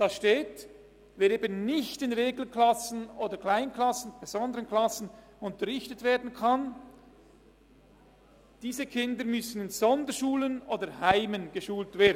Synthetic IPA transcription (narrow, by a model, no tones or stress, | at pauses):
d̥ɑsʃteːt | veːɾeːbənnɪçtɪnʁeːɡl̩klɑsn̩oːdəkʰlaɪnkʰlɑsn̩b̥ez̥ɔndəʁənklɑsn̩ | ʊntəʁɪçtətv̥eːɐdn̩kʰɑn | d̥iːzəkʰɪndəɾmʏsn̩ɪnz̥ɔndəɾʃuːlənoːdəɾhaɪmənɡ̥əʃuːltveːɐdn